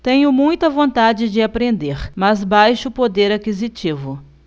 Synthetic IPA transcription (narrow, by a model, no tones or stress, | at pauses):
t̪ẽɲʊmũj̃t̪ɐvõnt̪ad͡ʒɪd͡ʒɪapɾẽnd̪eɾmɐzbajʃʊpod̪eɾakizit͡ʃivʊ